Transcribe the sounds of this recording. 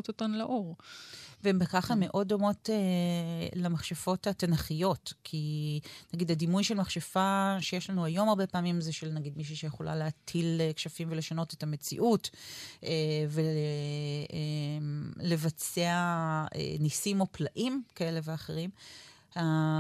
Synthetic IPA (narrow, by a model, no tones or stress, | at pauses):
totanleʔoʁveembekaχame̞ʔo̞do̞mo̞te | lamaχʃafo̞thatenaχijo̞tkʰinaɡid̪hadimujʃelmaχʃafaʃejeʃlanuajo̞maʁbe̞paːmimzeʃelnaɡid̪miʃ̬uʃejeχolʔa̰leatʰilekʃafimvele̞ʃano̞tetame̞t͡sḭʔutʔeve | e | le̞vat͡seaḛnisimo̞plaʔimkae̞le̞veaχe̞ʁim | ha